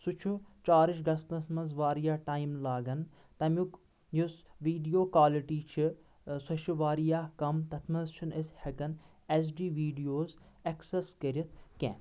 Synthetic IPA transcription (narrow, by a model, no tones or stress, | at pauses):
sut͡ʃʰut͡ʃaːɾiʃɡɐst̪ɐsmɐnzʋaːɾijaːʈaːjimlaːɡɐn | t̪ɐmʲuk | jusʋiːɖijoːkwaːliʈiːt͡ʃʰi | sɐʃiʋaːɾijaːkɐmt̪ɐt̪ʰmɐzt͡ʃʰinɐsʲhɐkɐn | es̬ɖiːʋiːɖijoːz | ɐkseskɐɾʲit̪̚ʰkɛ̰̃ː